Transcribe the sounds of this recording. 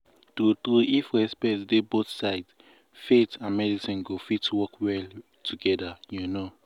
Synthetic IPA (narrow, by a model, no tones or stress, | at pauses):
tɾutɾuifɹɛspɛtsdeboθsaɪds | fetãnmɛdisĩnɡofitwɔkwɛl | tʰuɡɛdajuno